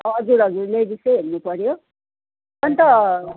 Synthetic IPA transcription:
ʌd͡zuɾʌd͡zuɾlebisʌɦernupʌɾjo | ʌnt̪ʌ

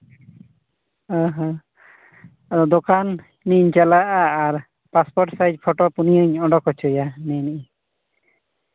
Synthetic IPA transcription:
ãɦã | ɔd̪okan | niɲt͡ʃalaʔaːɾ | paspɔɾʈsajd͡ʒpʰɔʈɔpunijəɲɔɖɔkɔt͡ʃʰɔjanɛniʔ

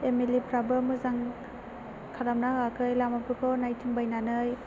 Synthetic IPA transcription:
emelipʰɾabɯmɯzaŋ | kʰaɾamnahɯakʰɯjlamapʰɯkʰɔnajtʰiŋbajnanɯj

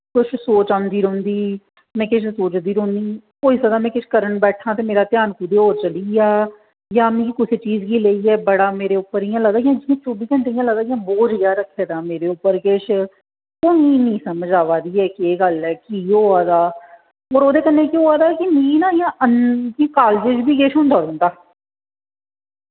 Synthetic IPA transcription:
kʊt͡ʃʰsoːt͡ʃãnd̪iːɾõnd̪iː | mɛ̃ːkɪʃʰsoːt͡ʃd̪iːɾõːnd̪iː | koːiːsad̪aːmɛ̃ːkɪt͡ʃʰkəɾəɳbɛːʈʰãːt̪eːmeːɾaːt̪ɪjaːnkuːd̪eːɦoːɾt͡ʃəliːjaː | jãːmĩːkʊseːt͡ʃiːzɡiːleːiːɛːbəɽaːmeːɾeːʊpːəɾijãːləɡd̪aːɡjãːd͡ʒɪjãːt͡ʃoːbiːkəɳʈeːijãːləɡd̪aːɡijãːboːd͡ʒɡjaːɾəkʰːeːd̪aːmeːɾeːʊpːəɾkɪʃʰ | koːmĩːnĩːsəməd͡ʒaːʋaːd̪iːɛːkieːɡəlɛːkiːɦoːaːd̪aː | ɔːɾoːd̪eːkənːeːkioːaːd̪aːkimĩːnãːjãːʔənkikaːld͡ʒɪd͡ʒbiːkeːʃʊ̃nd̪aːdə̃ːnd̪aː

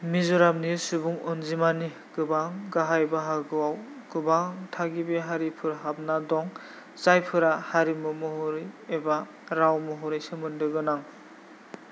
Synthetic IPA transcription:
mizuɾamnisubuŋɔnzimani | ɡ̥ɯbaɡaɦajbaɦaɡɯwaw | ɡ̥ɯbatʰaɡibeɦaɾipʰɯɾɦap̚nadɔŋ | zajpʰɯɾahaɾimɯmɔɦɔɾɯjeba | ɾawmɔɦɔɾɯjsemɯndɯɡɯnaŋ

